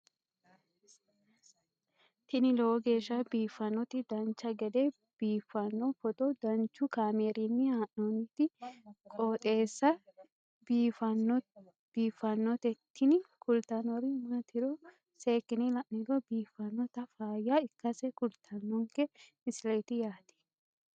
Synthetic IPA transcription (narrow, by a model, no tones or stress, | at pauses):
t̪ɪnɪloːɡe̞ːʃːɐbiːfːɐnɔt̪ɪd̪ɐnt͡ʃːɐɡɛd̪e | b̥iːfːɐnːɔfɔt̪ʼɔd̪ɐnt͡ʃːʊkaːmeːɾinːɪhaːʔnɔnɪt̪ɪkʼoːt̪ʼe̞ːsːɐ | bifn | b̥iːfɐnːɔt̪ɛt̪ːɪnɪkʰʊlt̪ɐnɔɾɪmɐt̪ʰɪɾɔ | seːkːɪnɪlɐʔnɪɾɔbiːfːɐnːɔt̪ɐfaːjːaɪkːɐsɛkʊlt̪ʰɐnːɔŋkɛ | ɪslet̪ɪjaːt̪ɪ̥